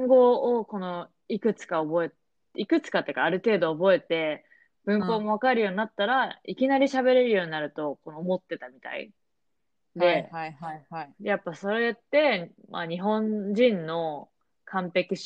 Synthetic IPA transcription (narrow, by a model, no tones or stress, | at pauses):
ŋɡo̞ːko̞no̞ | ikɯ̟t͡sɨ̥kaobo̞et | ikɯ̟t͡sɨ̥kat̪ːe̞ɯ̟kaːɾɯ̟t̪e̞ːd̪o̞ːbo̞e̞t̪e̞ | b̥ɯ̟̃mpo̞ːmo̞β̞akaɾɯjo̞ːɲ̟inat̪ːaɾaikʲinaɾʲiɕabe̞ɾe̞ɾɯjo̞ːɲ̟inaɾɯ̟t̪o̞ko̞noːmo̞t̪ːe̞t̪amʲit̪a̰ḭ | d̪e̞ | japːaso̞ɾe̞jat̪ːe̞ma̰ɲ̟iɦõ̞ɲd͡ʑĩnːo̞ | kʰãmpe̞kiɕ